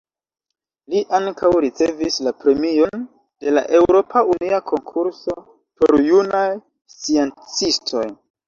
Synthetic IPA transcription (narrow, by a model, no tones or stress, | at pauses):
liʔaŋkawɾit͡se̞vislapɾe̞mio̞n | d̥e̞la̰ʔe̞wɾo̞pʰauniakʰo̞ŋkʰuɾso̞ | po̰ɾjunaj | sient͡sistʰo̞j